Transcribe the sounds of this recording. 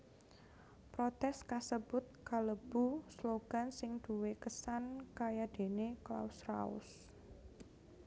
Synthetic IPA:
pɾot̪ɛskasəb̥ʊt̪̚kaləb̥usloɡ̥a̤nsɪŋd̪̥ṳwekəsankajad̪̥e̤nekla̰usra̰ʊ̰s

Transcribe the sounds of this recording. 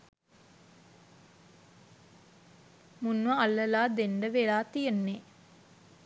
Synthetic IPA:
munʋəalːəlaːd̪eɳɖəʋelaːt̪ijənːe

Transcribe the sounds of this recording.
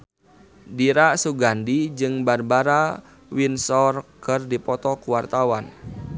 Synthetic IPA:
diɾasuɡandid͡ʒɨŋbarbaɾa | winsɔrkɨrdipɔt̪ɔkuwart̪awan

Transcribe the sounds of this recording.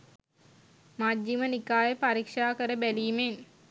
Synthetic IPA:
mad͡ʒːimənikaːjepaɾikʂaːkəɾəbæliːmen

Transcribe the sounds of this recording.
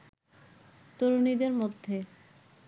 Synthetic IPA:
t̪oɾonid̪eɾmod̪ʱːe

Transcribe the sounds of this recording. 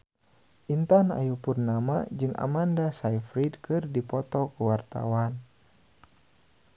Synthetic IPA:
ʔint̪ana̰jupurnamad͡ʒɨŋʔa̰mandasaijfɾidkɨrdipɔt̪ɔkəwart̪a̰wan

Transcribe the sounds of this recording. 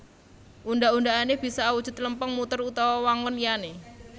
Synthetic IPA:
ʔundaʔuɳdaaneb̥i̤sawud̥ʒ̥ʊ̤t̪̚ləmpəŋmut̪ərut̪awawaŋɔnlijane

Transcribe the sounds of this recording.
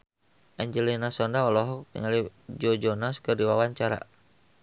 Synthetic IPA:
ʔɛɲd͡ʒɛlinasɔndaɔlɔɦɔk̚t̪ḭŋalid͡ʒɔd͡ʒɔnaskɨrdiwawaɲt͡ʃaɾa̰

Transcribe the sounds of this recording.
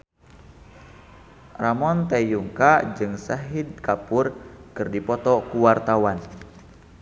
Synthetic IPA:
ramɔnt̪ajuŋkad͡ʒɨŋsaɦid̪̚kapurkɨrdipɔt̪ɔkuwart̪awan

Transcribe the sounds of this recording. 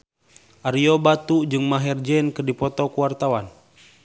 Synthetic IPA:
ʔaɾiobat̪ud͡ʒɨŋmaɦɛrd͡ʒɛnkɨrdipɔt̪ɔkuwart̪awan

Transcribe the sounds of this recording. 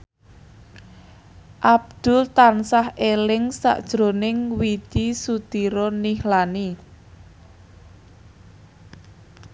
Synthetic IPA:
ʔab̚d̪̥ʊlt̪ansahelɪŋsa̰ʔd̥ʒ̥ɾo̤nɪŋwid̪̥isut̪iɾɔnihlani

